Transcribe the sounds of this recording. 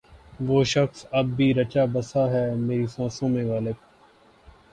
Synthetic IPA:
ʋoːʃɐxsɐb̚ːʱiːɾɐt͡ʃaːbɐsaɦɛːmeːɾisɔ̃ːsõmẽʋaːleːkː

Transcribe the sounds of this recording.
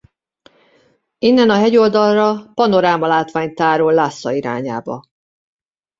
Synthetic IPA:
inːɛnɒɦɛɟo̞ld̪ɒlrɒpɒno̞ɾaːmɒlaːt̪ʋaːɲt̪aːɾollːaːsːɒiɾa̰ːɲa̰ːbɒ̰

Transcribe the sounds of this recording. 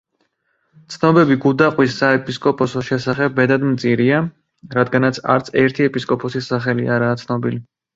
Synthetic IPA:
t̪sʰnɔbɛbiɡud̪aqʼwisːaɛpʼiskʼɔpʰɔsɔʃɛsaχɛbːɛd̪ad̪mt̪sʼiɾia | ɾad̪ɡanat̪sʰa̰ɾt̪sʰɛɾt̪ʰiɛpʼiskʼɔpʰɔsisaχɛliaɾaːt̪sʰnɔbḭli

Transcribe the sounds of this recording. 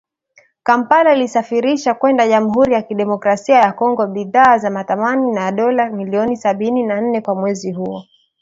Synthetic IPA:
kampalailisafiɾiʃakwɛndaʄam̩ɦuɾijakiɗɛmɔkɾasiajakɔŋɡɔɓiðaːzamaθamaninaɗɔlamiliɔnisaɓininan̩nɛkwamwɛziɦuɔ

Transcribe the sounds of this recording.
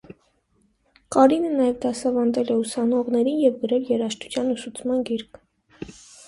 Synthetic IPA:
kɑɾinənɑjɛvd̪ɑsɑvɑnd̪ɛlɛusɑnɔʁnɛɾinjɛvɡəɾɛljɛɾɑʃt̪u̥t͡sʰjɑnusut͡sʰmɑnɡiɾkʰ

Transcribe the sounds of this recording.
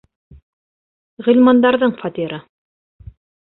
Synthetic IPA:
ʁɵ̆lʲmɑnd̪ɑɾðɤɴfɑt̪iɾɤ

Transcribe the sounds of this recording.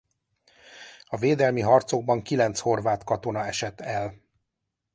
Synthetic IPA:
ɒveːd̪ɛlmiɦɒrt̪so̞ɡ̚bɒŋkilɛnt̪sho̞rvaːt̪kɒt̪o̞nɒɛʃɛt̪ːɛl

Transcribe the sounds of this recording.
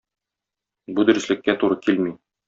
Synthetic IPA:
bud̪ɵ̆ɾɘ̆slɘ̆kːæt̪uɾɤkilmi

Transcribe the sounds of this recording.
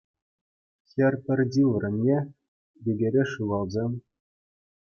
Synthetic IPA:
xʲɘ̆rʲpʲɘ̆rʲdʲiʋrʲɘ̆nʲːe | bʲeɡʲeɾʲeʂuʋɑlˠzʲemʲ

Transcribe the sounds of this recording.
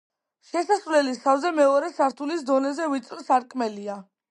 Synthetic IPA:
ʃɛsasvlɛlisavzɛmɛɔɾɛsaɾt̪ʰulisd̪ɔnɛzɛvit̪sʼɾsaɾkʼmɛlia

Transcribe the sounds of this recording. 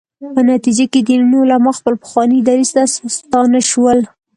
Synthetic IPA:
pənat̪id͡ʒaked̪innolamɑxpəlpə̥xwɑnid̪aɾizt̪asst̪ɑnaʃwəl

